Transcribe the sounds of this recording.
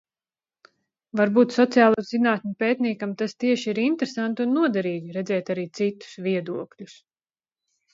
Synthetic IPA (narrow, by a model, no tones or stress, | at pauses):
vaɾbuːt̪sɔt̪sijaːlˠuːzinaːt̪nʲupeːt̪niɛkamt̪ast̪iɛʃiiɾint̪eɾesant̪unːuɔd̪ɛɾiːɡiɾɛd̪zɛːt̪aɾiːt̪sit̪u̥sviɛd̪uɔklʲus